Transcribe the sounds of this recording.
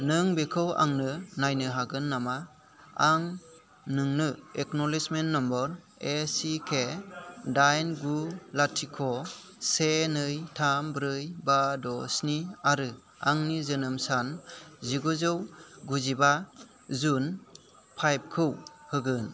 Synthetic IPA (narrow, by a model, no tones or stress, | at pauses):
nɯŋbekʰɯwa̰ŋnɯnajnɯɦaɡɯnːama | aŋ | nɯŋnɯeknɔlismenːɔmbɔɾ | esikʰedajnɡulatʰikʰɔ | senɯjtʰambɾɯjbadɔsniaɾɯ | aŋnizɯnɯmsanziɡuzɯwɡuziba | zun | pʰajb̚kʰɯw | hɯɡɯn